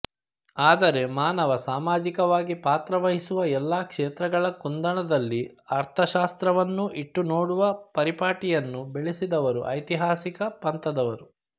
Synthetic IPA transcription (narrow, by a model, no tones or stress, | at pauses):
aːd̪ɐɾe̞maːnɐʋɐsaːmaːd͡ʒikɐʋaːɡipaːt̪ɾɐʋɐɦisuʋɐɛlːaːkʂeːt̪ɾɐɡɐɭɐkund̪ɐɳɐd̪ɐlːiɐɾt̪ʰɐʃaːst̪ɾɐʋɐnːuʔiʈːunoːɽuʋɐpɐɾipaːʈijɐnːubeɭesid̪ɐʋɐɾṵʔɐ̰jt̪iɦaːsikɐpɐnt̪ɐd̪ɐʋɐɾu